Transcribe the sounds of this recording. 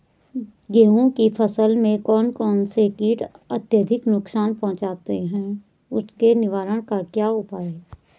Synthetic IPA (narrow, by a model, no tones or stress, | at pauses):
ɡeːõkipʰəsəlmẽkɔːnkɔːnsekiːʈət̪jəd̪ʱɪknʊksaːnpɔ̃ɦʊ̃t͡ʃaːt̪eɦɛ̃ː | ʊskenɪʋaːɾəɽ̃kakjaːʊpaːe